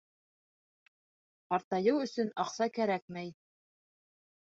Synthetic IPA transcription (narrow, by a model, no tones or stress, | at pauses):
qɑɾt̪ɑjɤwɵ̆sɵnɑqsɑkæɾæk̚mæj